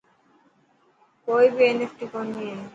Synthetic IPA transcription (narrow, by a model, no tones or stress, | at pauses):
kojbienesʈikonie